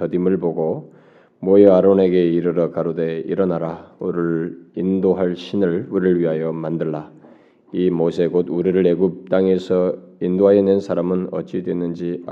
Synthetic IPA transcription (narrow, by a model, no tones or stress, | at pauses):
ʌdimɯɭboɡo | mʌjeaɾone̞ɡe̞iɾɯɾʌkaɾode̞ḭɾʌnaɾauɾɯɭindoɦaɭɕʰinɯɭuɾiɾɯɭɥiɦajʌmandɯɭːa | imosʰe̞ɡoduɾiɾɯɭeɡup̚t͈aŋe̞sʰʌindoɦajenensʰaɾamɯnʌt͡ɕ͈idwe̞nːɯnd͡ʑia